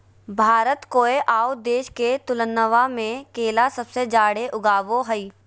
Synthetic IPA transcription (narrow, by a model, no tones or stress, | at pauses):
bʱaːɾət̪koːeʔaːod̪eːʃket̪ʊlənːəʋamẽkeːlasɐbsed͡ʒaːɽeʔʊɡaːʋoɦɐiː